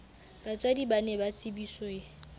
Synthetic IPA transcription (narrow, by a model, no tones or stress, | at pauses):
b̥at͡sʼwadibanɛbat͡sʼɪbisɔe